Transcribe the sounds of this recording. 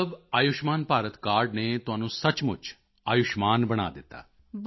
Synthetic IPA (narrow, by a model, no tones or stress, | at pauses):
əbaːjʊʃmaːnpaːɾət̪kaːɾɖnet̪ʊɦaːnũsɐt͡ʃmʊt͡ʃʰ | aːjʊʃmaːnbəɽ̃a̰ːd̪ɪt̪a̰ː